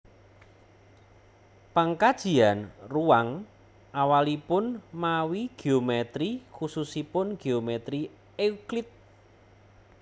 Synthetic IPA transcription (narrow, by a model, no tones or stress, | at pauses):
paŋkad̥ʒ̥i̤anruwaŋ | ʔawalipʊnmawiɡ̥eomɛt̪ɾikususipʊnɡ̥eomɛt̪ɾi | euklɪt̪̚